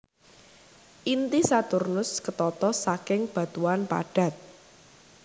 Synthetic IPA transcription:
ʔint̪isat̪ʊrnʊskət̪ɔt̪ɔsakɪŋb̥a̤t̪uanpa̰ɖ̥a̤t̪̚

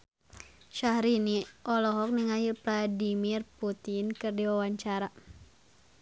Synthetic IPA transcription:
ʃahɾiniʔɔlɔɦɔk̚niŋajupladimirput̪inkɨrdiwawaɲt͡ʃaɾa

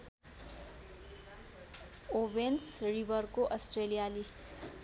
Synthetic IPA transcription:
obensribʌrkoʔʌsʈrelijali

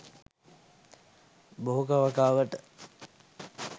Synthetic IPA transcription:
boɦukaʋəkaːʋəʈə

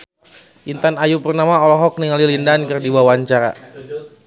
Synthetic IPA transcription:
ʔint̪anajupərnamaɔlɔɦɔk̚niŋalilindankɨrdiwawaɲt͡ʃaɾa̰

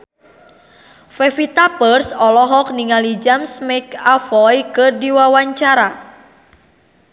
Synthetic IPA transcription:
fefit̪apərsɔlɔɦɔk̚niŋalid͡ʒamsmɛkafɔjkɨrdiwawaɲt͡ʃaɾa

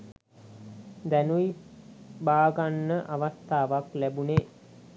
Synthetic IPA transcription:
d̪ænui | baːɡanːəʔaʋast̪aːʋaklæbuneː

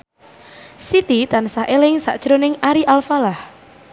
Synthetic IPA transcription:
sit̪it̪ansaʔelɪŋsa̰ʔd̥ʒ̥ɾonɪŋaɾiʔalfalah

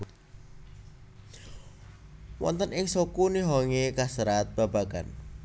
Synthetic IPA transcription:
wʔɔ̰nt̪ənɪŋsokuniɦɔŋekasəɾat̪̚b̥a̤b̥aɡ̥an

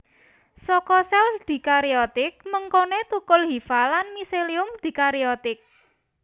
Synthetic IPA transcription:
sɔkɔsɛld̪̥i̤kaɾiɔt̪ɪk̚məŋkonet̪ukʊlɦifalanmiseliʊmd̪̥i̤kaɾiɔt̪ɪk̚

